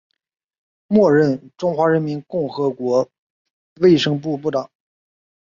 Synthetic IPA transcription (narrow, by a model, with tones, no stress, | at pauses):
mwɔ˥˧ɻə˥˩nʈ͡ʂʊ˥ŋxwa˧˥ɻə˧˥nmi˧˥nkʊ˥˩ŋxɤ˧˥kwɔ˧˥ | we˥˩ɪʂɤ˥ŋp̬u˥˧p̬u˥˩t̪ɑ˨˩˦ŋ